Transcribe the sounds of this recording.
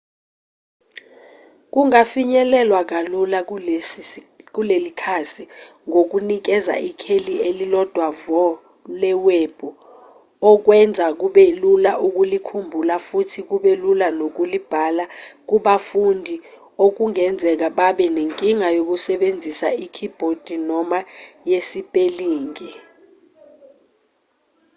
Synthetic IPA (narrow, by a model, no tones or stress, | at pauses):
k̬uŋafiɲɛlɛlwak̬alula | k̬ulelikʰasiŋok̬unik̬ɛza̰ʔikʰelielilɔd̥ʱwavɔ | lɛweb̥ʱu | ɔk̬wɛnd͡zʱak̬uɓɛlulaʔuk̬ulikʰumbʱulafutʰik̬uɓɛlulanok̬ulib̥ʱalak̬uɓafundʱi | ok̬uŋɛnd͡zʱɛk̬aɓaɓɛneŋkʼiŋajok̬usɛɓend͡zʱisaikʰib̥ʱod̥ʱinɔmajesipʼeliːŋi